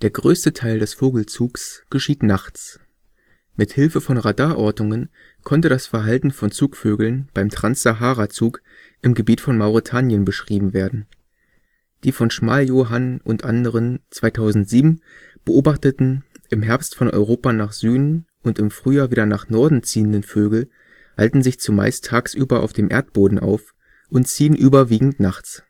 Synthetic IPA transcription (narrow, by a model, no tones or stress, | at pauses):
d̥eːɐɡʁøːstətʰaɪldɛsfoːɡl̩t͡suːksɡ̥əʃiːtnaχt͡s | mɪthɪlfəfɔnʁadaːʔɔɐtnʊŋən | kʰɔntədasfɛɐɦaltn̩fɔnt͡suːkføːɡl̩nb̥aɪmtʁ̥ansz̥aɦaːʁat͡suːk | ʔɪmɡəbiːtfɔnmaʊʁitʰaːnjənbəʃʁ̥iːbm̩veːɐdn̩ | d̥iːfɔnʃmaːljoːɦanʔʊntʔandəʁənt͡sv̥aɪtʰaʊzn̩tz̥iːbm̩ | b̥əʔoːbaχtətn̩ʔɪmɦɛɐpstfɔnʔɔ̰ʏʁoːpanaːχz̥yːdn̩ | ʔʊntɪmfʁ̥yːjaːviːdɐnaːχnɔɐdn̩t͡siːəndənføːɡl̩ | ha̰ltn̩zɪçt͡suma̰ɪstʰːaːksʔyːbɐʔa̰ʊfd̥eːmʔḛːɐt̚b̥oːdn̩ʔa̰ʊf | ʔʊntt͡siːənʔyːbɐviːɡŋ̩tnaχt͡s